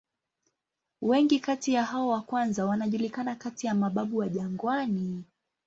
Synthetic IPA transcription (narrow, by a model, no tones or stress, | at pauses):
wɛŋɡikatijaɦaɔwakwanzawanaʄulikanakatijamaɓaɓuwaʄaŋɡwani